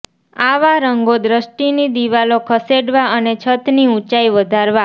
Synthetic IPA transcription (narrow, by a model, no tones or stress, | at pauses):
aʋaɾəŋɡod̪ɾəʃʈinid̪iʋalokʰəseɽʋaənet͡ʃʰət̪niũt͡ʃaiʋəd̪ʱaɾʋa